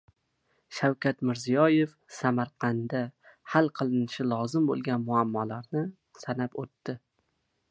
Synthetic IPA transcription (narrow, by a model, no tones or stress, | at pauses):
ʃawkʲat̪mɪɾzijɒje̞f | samaɾqʰɑnd̪ahalˠqʰɨlˠɪnɪʃɪlˠɒzɪmbo̰lˠɡʲanmʊamːɒlaɾnɪ | sanapot̪ːɪ